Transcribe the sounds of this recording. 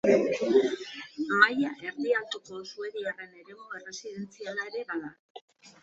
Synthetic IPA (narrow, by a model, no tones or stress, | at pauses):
majaʔe̞ɾðialt̪uko̞sue̞ðiare̞ne̞ɾe̞mue̞re̞siðe̞nt͡sialae̞ɾe̞βaða